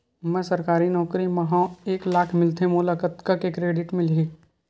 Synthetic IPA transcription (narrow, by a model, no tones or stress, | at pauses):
mɛ̃səɾkaːɾinɔːkɾimɐɦãeːklaːkʰmɪlt̪ʰemʊlakət̪kəkekɾeːɖɪʈmɪ̃li